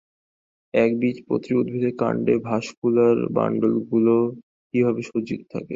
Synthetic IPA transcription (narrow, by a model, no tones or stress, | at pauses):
ɛkbit͡ɕpɾo̰t̪ɾiud̪̚bʱid̪ʱeka̰ɳɖebʱaʃkulaɾba̰ɳɖolɡulo | kibʱabeʃod͡ʑit̪o̥t̪ʰa̰ke